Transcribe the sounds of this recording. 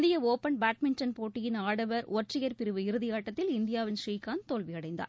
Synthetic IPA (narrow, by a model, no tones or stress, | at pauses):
ðɪjɐoːpɐnbaːʈ̚mɪnʈɐnpoːʈːɪjɪnaːɽɐʋɐɾʊɐʈʈrɪjɐɾpɪɾɯʋɯɪɾɯðɪjaːʈːɐt̪ːɪlɪnd̪ɪjaːʋɪnʂriːkaːnt̪oːlʋɪɐɽɐɪnd̪a̰ːɾ